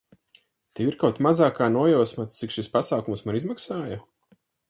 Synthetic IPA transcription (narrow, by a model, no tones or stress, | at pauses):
t̪iiɾkawt̪mazaːkaːnuɔjɔwsmat̪t̪sikʃispasaːkumsmanizmaksaːja